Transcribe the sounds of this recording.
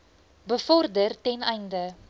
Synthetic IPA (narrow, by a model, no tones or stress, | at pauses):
bəfɔrdərtɛnɛjndə